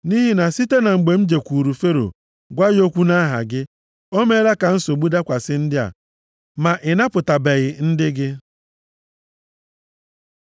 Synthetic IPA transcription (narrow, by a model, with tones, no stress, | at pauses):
ni˦ɦi˦na˨si˦te˦na˨ŋ͡m̩˨ɡ͡be˨m̩˦d͡ʒe˨kʷu˨ɾu˨fe˦ɾo̰˨ | ɡʷa˦jo˦kʷu˦na˦ɦa̰˨ɡɪ˦ | o˦me˦ɾa˦ka˨n̩˦so˨ɡ͡bu˦da˦kʷa˨sɪ˦n̩˦dɪ˦a̰˨ | ma˨ʔɪ˨na˦pʊ˨ta˨be˨ɣɪ˨n̩˦dɪ˦ɡɪ˦